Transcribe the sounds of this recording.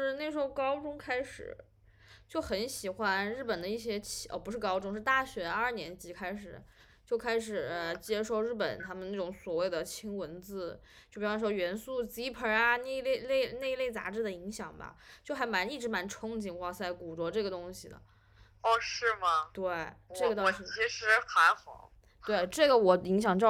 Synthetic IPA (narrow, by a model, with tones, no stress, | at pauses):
ʂɻ̩˥˧ne˥˩ʂɻ̩˧˥xo˥˧kɑ˥ʊʈ͡ʂʊ˥ŋkʰa˥ɪʂɻ̩̰˨˩˦ | t͡ɕjo˥˩ʊxə˧˥nɕi˨˩xwa˥nɻ̩˥˩pə˨˩nd̪ə˦i˥˩ɕ̬jɛ˥t͡ɕʰə̰˧˩pu˧˥ʂ̬ɻ̩˥˩kɑ˥ʊʈ͡ʂʊ˥ŋʂɻ̩˥˧t̪a˥˩ɕɥɛ˧˥ɐ˞˥˩njɛ˧˥nt͡ɕi˧˥kʰa˥ɪʂɻ̩˨˩˦ | t͡ɕjo˥˩ʊkʰa˥ɪʂ̬ɻ̩˨˩ə˧t͡ɕjɛ˥ʂo˥˧ʊɻ̩˥˩pə˨˩nt̪ʰa˥mə˨na˥˩ʈ͡ʂʊ˧˥ŋswɔ˨˩we˥˩ɪd̪ə˩t͡ɕʰi˥ŋwə˧˥nt͡sɹ̩˥˩ | t͡ɕjo˥˩pi˨˩˥ɥɛ˧˥nsu˥˩t͡ɕi˧˥pʰə˧˥a˧ne˥˧ɪle˥˧ɪle˥˧ɪne˥˧ɪle˥˩ɪt͡sa̰˧˥ʈ͡ʂɻ̩˥˩d̪ə˩i˧˥ŋɕjɑ˨˩ŋbɐ̰˦t͡ɕjo˥˩xa˧˥ɪma˧˥ni˥˩ʈ͡ʂɻ̩˧˥ma˧˥nʈ͡ʂʰʊ˥ŋt͡ɕi˧˥˩nxwa˥˧sa˥˧˩ɪku˨˩t͡swɔ˧˥ʈ͡ʂɤ˥˩ɡə˩t̪ʊ˥ŋɕi˨˩d̪ə̰˩ | ɔ˥˧˩ʂɻ̩˥˩mɐ˩t̪we˥˩ɪʈ͡ʂɤ˥˩ɡə˧t̪o˥˨ʂɻ̩˧˥t͡ɕʰi˧˥ʂɻ̩˧˥xa˧˥ɪxɑ̰˨˩˦ | t̪we˥˩ɪʈ͡ʂɤ˥˩ɡə˩wɔ˨˩i˧˥ŋɕjɑ˨˩ŋt͡ɕj